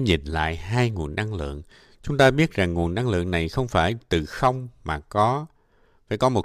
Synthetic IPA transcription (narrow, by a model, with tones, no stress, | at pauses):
ɲḭ˨˩nla̰ː˧˨jɦaː˧jŋu˨˩ənːa˧ŋlɨ̰˧˨əŋ | t͡ɕʊ˨˦ŋ͡mt̪aː˧ɓi˦˥ət̚za˨˩ŋːu˨˩ənːa˧ŋlɨ̰˧˨əŋna˨˩jxə˧wŋ͡mfaː˧˩jt̪ɨ˨˩xə˧wŋ͡mmaː˨˩kɔ˨˦ | faː˧˩jkɔ˨˦mo˨˩t